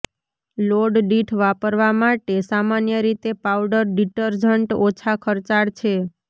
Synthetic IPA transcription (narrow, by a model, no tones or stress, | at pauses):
loɖɖiʈʰʋapəɾʋamaʈesamanjəɾit̪epawɖəɾɖiʈəɾd͡ʒəɳʈot͡ʃʰakʰəɾt͡ʃaɽt͡ʃʰe